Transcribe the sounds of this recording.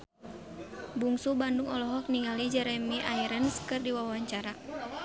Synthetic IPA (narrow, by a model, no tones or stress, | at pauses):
buŋsubanduŋɔlɔɦɔk̚niŋalid͡ʒɛɾɛmiʔaiɾənskɨrdiwawaɲt͡ʃaɾa